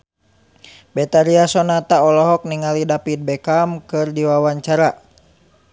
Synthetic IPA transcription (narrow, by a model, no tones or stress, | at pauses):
bɛt̪aɾiasɔnat̪aɔlɔɦɔk̚niŋalidapid̪̚bɛkamkɨrdiwawaɲt͡ʃaɾa